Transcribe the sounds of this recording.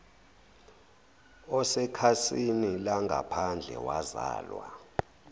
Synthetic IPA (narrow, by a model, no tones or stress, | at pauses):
ɔsɛkʰasinilaŋɡʱapʰand͡ɮʱɛ̰wazaːlwa̰